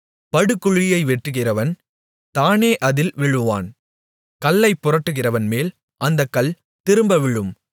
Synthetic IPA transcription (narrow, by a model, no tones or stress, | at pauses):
pɐɽɯkːʊɻɪjɐɪʋɛʈrɯɣɪrɐʋɐn | t̪aːneːʔɐðɪlʋɪɻɯʋa̰ːn | kɐlːɐɪpːʊrɐʈːɯɣɪrɐʋɐnmeːl | ʔɐnd̪ɐkːɐɭ | t̪ɪɾɯmbɐʋɪɻɯm